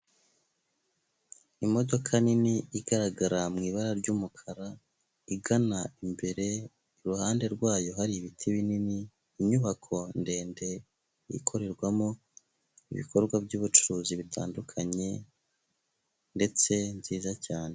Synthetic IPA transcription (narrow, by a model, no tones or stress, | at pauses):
imo̞do̞kʰaniniiɡaɾaɡaɾamŋiːβaɾaɾɟuːmukʰaɾa | iɡanaimbe̞ɾe̞ | iɾuhaːnde̞ɾɡwaːjo̞haɾiːβitʰiβininiː | ɲuβakʰo̞nde̞ːnde̞ | ḭkʰo̞ɾe̞ɾɡwamo̞ | iβḭko̞ɾɡwabɟuːβut͡ʃuɾuːziβitʰa̰ːndukʰaɲe̞ | nde̞t͡se̞nziːzacaːne̞